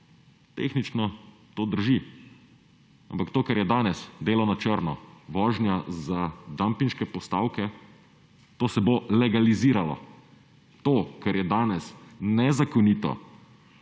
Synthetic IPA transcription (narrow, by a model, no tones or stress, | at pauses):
t̪ḛːxnit͡ʃnɔ | t̪oːd̪əɾʒi | a̰mpakt̪oːkɛɾjɛd̪aːnɛsd̪eːlɔnat͡ʃəɾnɔʋɔːʒnjazad̪ampinʃkɛpɔst̪aːwkɛ | t̪oːsɛbolɛɡaliziːɾalɔ̰ | t̪oːkɛɾjɛd̪aːnɛsnɛzakɔniːt̪ɔ̰